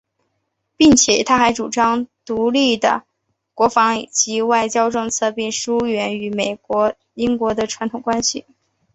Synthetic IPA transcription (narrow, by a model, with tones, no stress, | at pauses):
pi˥˩ŋt͡ɕʰjɛ˨˩t̪ʰa˥xa˧˥ɪʈ͡ʂu˨˩ʈ͡ʂɑ˥ŋt̪u˧˥li˥˩d̪ə̰˩ | kwɔ˧˥fɑ˧˥ŋ˩t͡ɕi˧˥wa˥˧˩ɪt͡ɕjɑ˥ʊʈ͡ʂɤ˥˧ŋt͡sʰɤ˥˧pi˥˩ŋʂu˥ɥɛ˧˥ny˧˥me˨˩ɪkwɔ˧˥ | i˥ŋkwɔ˧˥d̪ə˧ʈ͡ʂʰwa˧˥nt̪ʰʊ˨˩ŋkwa˥nɕḭ˨˩